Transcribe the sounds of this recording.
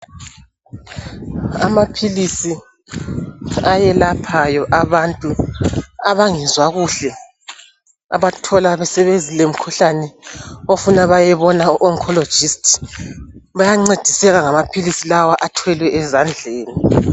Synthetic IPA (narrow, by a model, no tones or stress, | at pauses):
a̰mapʰilisi | ajɛlapʰajɔʔaβantʼu | aβaŋizwaɣuɬɛ | a̰βatʰɔlaβɛsɛβenzilem̩kʰuɬanɛofunaβajɛβɔnauʔɔŋkʰɔlɔ̥d͡ʒ̥istʰʼ | βajaŋ͡ǀed̥ʱisɛɣaŋamapʰilisilawaʔatʰwɛlwɛʔɛzand͡ɮʱeːni